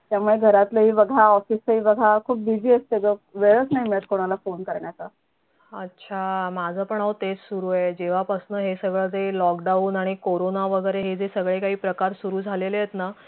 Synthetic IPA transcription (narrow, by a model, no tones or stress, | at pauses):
t̪jamuɭeɡʱəɾat̪ləɦiːʋəɡʱaɔfiːsəɦiːʋəɡʱakʰuːp̚bid͡ʑiəst̪eɡəʋeɭət͡snaɦimiɭət̪̚koɽ̃alafonkəɾɳjat͡sa | ətːɕʰamad͡zʱəpəɳaʋt̪ed͡zsuɾued͡ʑeʋ̤apasnəɦesəɡɭəd͡zelɔkɖauːnaɽ̃ikoɾonaʋəɡəɾeɦed͡zesəɡɭekaɦiːpɾəkaɾsuɾuːd͡zʱaleləjet̪na